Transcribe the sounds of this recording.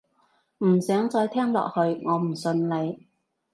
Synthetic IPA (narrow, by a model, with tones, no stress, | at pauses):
m̩˨˩sœː˨˥ŋt͡sɔː˧jt̪ʰɛː˥ŋlɔ̰ː˨k̚hɵ˧ɥŋɔː˨˧m̩˨˩sɵ˧nle˨˧j